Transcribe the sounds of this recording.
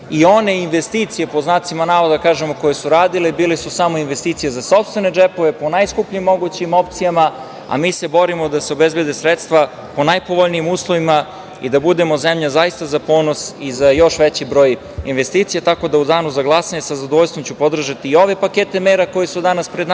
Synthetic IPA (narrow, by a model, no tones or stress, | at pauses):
io̞ne̞inʋest̪it̪sije̞po̞znaːt̪simanaːʋod̪akaːʒe̞mo̞ko̞jesuɾaːd̪ilebiːlesusamo̞inʋe̞st̪iːt̪sijezaso̞pst̪ʋe̞ned͡ʒepo̞ʋe̞po̞najskupʎimːo̞ɡut͡ɕimo̞pt̪sijama | a̰miːse̞bo̞ɾimo̞d̪aseobezbje̞d̪e̞sɾet̪st̪ʋa | po̞najpo̞ʋoʎniimuːslˠo̞ʋima | ḭd̪abud̪e̞mo̞zemʎazajist̪azapoːnosizajo̞ʃʋet͡ɕibɾo̞ːj | inʋe̞st̪iːt̪sijet̪ako̞d̪aud̪aːnuzaɡlˠasaɲesazad̪oʋoʎst̪vomt͡ɕupo̞d̪r̩ʒat̪iːo̞ʋe̞paket̪emeːɾako̞jesud̪anaspɾed̪n